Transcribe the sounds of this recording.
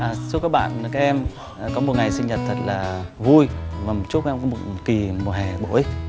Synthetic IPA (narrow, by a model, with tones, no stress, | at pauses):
ʔə˨˩su˦˥pkaː˦˥k̚ɓa̰ː˧˨nː˨˩kaː˦˥ʔɛ˧mː˨˩ | kɔ˨˦m˨˩t̚ŋa˨˩jsi˧ŋ̟ɲə˨˩t̚t̪ʰə˨˩t̚laː˨˩vu˧jvaː˨˩mo˨˩t͡ɕu˦˥t̚kːkɔ˨˦mo˨˩t̚ki˨˩mo˨˩hɛ˨˩ɓo̰˧˦j